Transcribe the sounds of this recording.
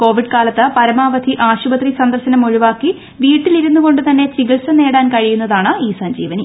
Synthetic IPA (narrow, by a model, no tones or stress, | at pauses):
ko̞ːʋiɖkaːlɐt̪ːɐpɐɾɐmaːʋɐd̪ʰʱiʔaːɕubɐt̪risɐnd̪ɐrɕɐnɐmoɻiʋaːkːi | ʋiːʈːiliɾunːuɣo̞ɳɖɨt̪ɐnːe̞t͡ɕiɣɐlsɐne̞ːɽaːnkɐɻijunːɐðaːɳɨiːsɐɲd͡ʑiːʋɐni